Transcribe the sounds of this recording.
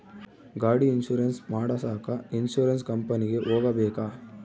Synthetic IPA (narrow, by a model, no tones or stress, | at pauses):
ɡaːɽiːnʃuːɾɐnsmaːɽɐsaːkɐinʃuːɾɐns̬kɐmpɐniɡe̞ʔoːɡɐbɛːkaː